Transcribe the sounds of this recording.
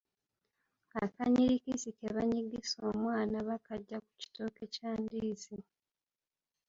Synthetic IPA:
akaɲiɾikisikeβaɲiɡiso̞ːmwaːnaβakaɟːaku̥ci̥toːke̞caːndiːzi

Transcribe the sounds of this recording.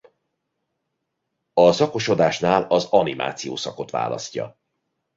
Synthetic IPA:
ɒzɒko̞ʃo̞d̪aːʃnaːlɒzɒnimʔa̰ːt̪sijoːsɒko̞t̪ʋa̰ːlɒ̰scːɒ̰

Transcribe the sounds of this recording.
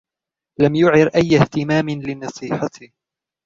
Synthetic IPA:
lamjʊʕɪɾʔajːaht̪ɪmaːmɪnlɪnɑsˤiːħɑt̪ɪh

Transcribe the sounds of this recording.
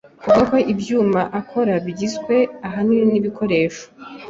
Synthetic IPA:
kuɡako̞ʔibjuːmaʔakʰo̞ɾaβɟizɡwe̞aɦaniniβikʰo̞ɾe̞ːʃo̥

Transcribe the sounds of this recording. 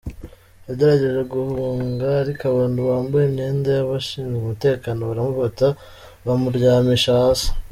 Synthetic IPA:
jaɟe̞ɾaɟe̞ʒe̞ɡuhuːŋɡaːɾikaβaːnduβaːmbujemɲe̞ːndajaβaʃiːnɡumute̞ːkano̞βaɾamufata | βamuɾɟaːmiʃasḁ

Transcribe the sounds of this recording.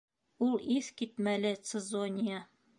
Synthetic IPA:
ulˠiθkit̪mælɘt̪sɘzonʲija

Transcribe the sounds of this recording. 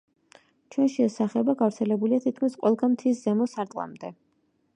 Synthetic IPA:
t͡ʃʰwɛnʃɛːsaχɛbaɡavɾt̪sʰɛlɛbuliat̪ʰit̪̚kʰmisqʼwɛlˠɡamt̪ʰiszɛmɔsaɾt̪ʼlˠa̰md̪ɛ

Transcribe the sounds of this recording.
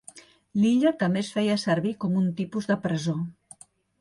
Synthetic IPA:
liʎət̪əmesfɛjəsəɾβikɔmunt̪ipuzðəpɾəzo

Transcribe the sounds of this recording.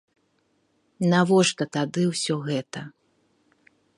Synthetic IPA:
navɔʂt̪ɐt̪ad̪ɨwsʲɔɣɛt̪ɐ

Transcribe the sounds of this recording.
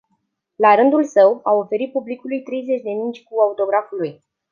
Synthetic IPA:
laɾɨnd̪ulsəwao̞fe̞ɾit̪̚publikulujt̪ɾe̞jze̞t͡ʃʲd̪e̞mint͡ʃʲkuaut̪o̞ɡɾafuluj

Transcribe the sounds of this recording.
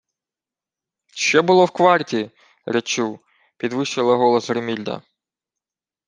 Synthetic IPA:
ʃt͡ʃɛbʊlˠɔwkʋɑrtʲi | ɾet͡ʃuw | pʲid̪ʋɪʃt͡ʃɪlˠɐɦɔlˠɐsɾemʲilʲd̪ɐ̰

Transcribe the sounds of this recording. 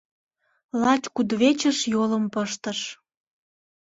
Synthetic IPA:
lɑt͡ɕkud̪βet͡ɕəʃjoləmpəʃt̪əʃ

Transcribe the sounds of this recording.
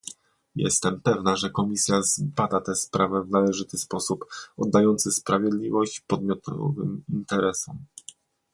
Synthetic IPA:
jɛ̰st̪ɛmpɛvnaʐɛkɔmʲisʲjazbad̪at̪ɛspɾavɛvnalɛʐɘt̪ɘspɔsupɔd̪ːajɔnt̪sɘspɾavʲjɛd̪lʲivɔɕt͡ɕpɔd̪mʲjɔt̪ʰɔ̰vɘ̰mint̪ɛɾɛsɔm

